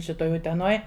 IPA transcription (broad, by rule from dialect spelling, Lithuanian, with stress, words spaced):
ʃʲɪˈtoːj ʊtʲɛˈnoːj